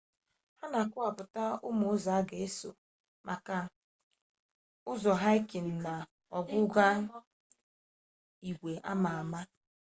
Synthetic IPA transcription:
ha˦na˨kʊ˦a˨pʊ˨ta˦ʊ˦mo˨ʊ˦za˨a˦ɡe˨e˦so̰˨ | mʔa˨ka˨ | ʊ˦zɔ˨ɦa˦i˦ke˨n̩˨na˨ | ɔ˨ɡʊ˦ɡa˦ | i˨ɡʷe˨ʔa̰˦ma˨a˨ma˦

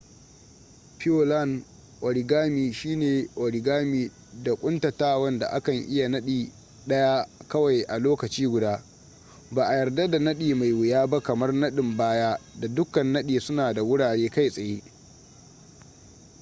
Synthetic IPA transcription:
ɸɪ˦o˦la˦˨n | ʔɔ˨ɽi˨ɡaː˦miː˨ʃiː˦neː˨ʔɔ˨ɽi˨ɡaː˦miː˨ | da˨kʷʼʊ˦ntɐ˨taː˦wɐ˦nda̰˨ʔa̰˦kɐ˨ŋʔɪ˦ja˨nɐ˦ɗiː˨ | ɗɐ˦ja˦kɐ˦wa˨jʔa˨loː˦kɐ˨t͡ʃiː˦ɡʷʊ˨daː˦ | baː˨ʔa˨jɐ˨rda˦da˨nɐ˦ɗiː˨ma˨jwʊ˨jaː˦ba˦kɐ˨mɐ˦rnɐ˦ɗɪ˨mbaː˦jaː˦da˨dʊ˦kːɐ˨nːɐ˦ɗiː˨sʊ˦naː˨da˨wʊ˦ɽaː˨ɽeː˦ka˦jsʼɐ˨jeː˦ʔ

